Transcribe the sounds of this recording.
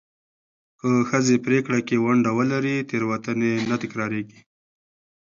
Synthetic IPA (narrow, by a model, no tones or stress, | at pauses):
kəxəzepɾekɽakewaɳɖawəlaɾit̪eɾwat̪ənenat̪ɪkɾɑɾeɡi